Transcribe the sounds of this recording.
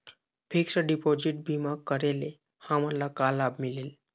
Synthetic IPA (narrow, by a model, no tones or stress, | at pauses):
pʰiksəɖipod͡ʑiʈ̚bʱimak̚kːəɾele | hamalakalabmilel